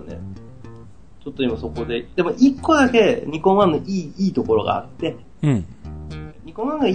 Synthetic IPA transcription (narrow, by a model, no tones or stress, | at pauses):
ne̞̰ | t͡ɕo̞t̪ːoimaso̞ko̞d̪e̞d̪̥e̞mo̞ʔikːo̞d̪ake̞ɲ̟ikõ̞ãnːoʔiːiːt̪o̞ko̞ɾo̞ɡa̰a̰t̪ːe̞ | ɲ̟ikõãŋɡa